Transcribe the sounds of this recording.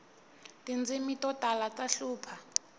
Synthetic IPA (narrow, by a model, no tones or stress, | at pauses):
tʼind͡zimitʼɔtʼalat͡saɬuːpʰa